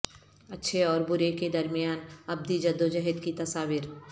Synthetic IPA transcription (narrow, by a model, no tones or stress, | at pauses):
ɐtːʃʰeɔːɾbʊɾeked̪ɐɾmijaːnɐb̚d̪id͡ʒɐd̪ːod͡ʒɐɦɪd̪kit̪ɐsaːʋiːɾ